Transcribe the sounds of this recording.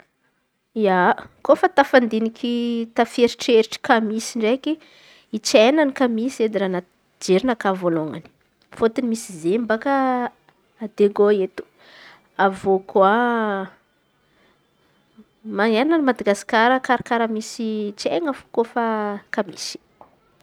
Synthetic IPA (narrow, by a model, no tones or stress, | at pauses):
iakofət̪afand̪inikʰit̪afeɾiʈ͡ʂeɾiʈ͡ʂi̥kamisiɳɖ͡ʐeki | it͡ʃenanikamised̪iɾana | d͡ʒeɾinakavoloŋa̰ni̥ | fot̪inimisizembakaː | d̪eɡoet̪u̥ | avokwa | maŋeɾananimad̪aɡasi̥kaɾəkaɾakaɾəmisit͡ʃeŋəfu̥kofakamḭsi̥